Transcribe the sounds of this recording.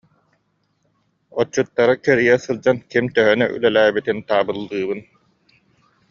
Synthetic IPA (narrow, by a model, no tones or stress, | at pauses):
ɔt͡ɕːut̪ːaɾɯkɛɾijɛsɯlˠd͡ʑankimt̪œɦœnœ̰ʔy̰lɛlæːbit̪int̪aːbɯlˠːɯːbɯn